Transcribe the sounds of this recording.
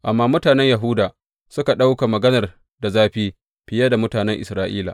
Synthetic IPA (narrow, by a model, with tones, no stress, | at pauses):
ʔa˨mːaː˦mʊ˦taː˨nɛ˦ɲja˨ɦʊː˦daː˨ | sʊ˦ka˨ɗa˦wka˨mɐ˨ɡɐ˦nɐ˨r | da˨zaː˦ɸiː˦ | ɸɪ˨ja˦da˨mʊ˦taː˨nɛ˦ŋʔɪ˨sɾaː˦ʔiː˦la̰ː˨